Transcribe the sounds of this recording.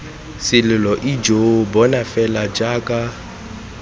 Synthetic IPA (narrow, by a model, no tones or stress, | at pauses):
sɪlɪlɔʔid͡ʒobɔnafɛlad͡ʒaːkʼa